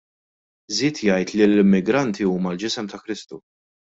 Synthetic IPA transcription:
zɪːt̪jɐjt̪lilɪmːɪɡɾɐnt̪ʰiuːmɐld͡ʒɪsɛmt̪ɐkɾɪst̪u

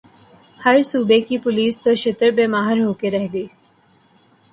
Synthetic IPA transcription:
hɐɾsuːbekipʊliːst̪oʃɪt̪əɾbeːmaːɦəɾɦoːkeɾɛɦɡəiː

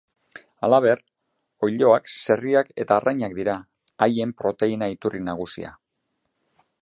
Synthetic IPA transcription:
alaβ̞e̞r | o̞jʎo̞akse̞riake̞t̪aːrʔajɲak̚d̪iɾaː | je̞mpɾo̞t̪e̞inait̪urinaɣ̞usḭa̰

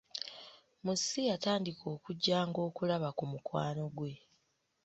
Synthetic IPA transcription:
musijataːndikʰo̞ːkuɟːaːŋɡo̞ːkulaβakumukwaːno̞ɡwe̞

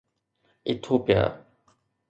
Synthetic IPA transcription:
ɪt̪ʰːoːpɪja̰ː

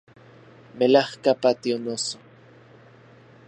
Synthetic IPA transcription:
melahkapat̪ionoso

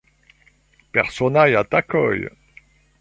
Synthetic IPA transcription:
pɛʁsɔnajat̪akœ̰j

